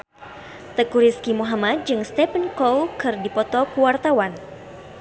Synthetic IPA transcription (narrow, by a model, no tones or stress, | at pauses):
t̪əkuɾiskimuɦamat̪̚d͡ʒɨŋst̪ɛpənkowkɨrdipɔt̪ɔkuwart̪awan